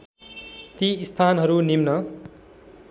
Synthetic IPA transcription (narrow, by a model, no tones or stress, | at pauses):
t̪iːst̪ʰanɦʌɾunimnʌ